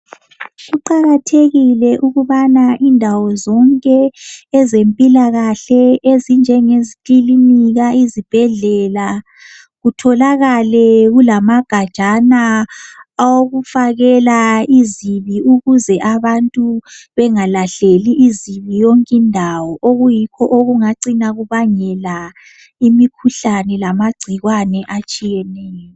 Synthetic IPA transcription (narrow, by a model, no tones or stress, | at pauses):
ʃiǃaɣatʰeɣilɛʔuɣuβanaʔindʱawɔzɔŋkʼɛːzempʼilaɣaɬɛezind͡ʒʱɛŋezikiliniɣaizib̥ʱɛɮɛla | ɣutʰɔlaɣalɛɣulamaɡ̥ʱad̥ʒ̥ʱana | woɣufaɣɛlaiziβiuɣuzɛʔaβantʼuβɛŋalaɬeliʔːziβijoŋkʼindʱawɔʔoɣujikʰɔʔoɣuŋaǀinaɣuβaɲɛla | imikʰuɬanɛlamaɡ͡ǀʱiɣwanɛʔat͡ʃʼijɛnɛːjɔ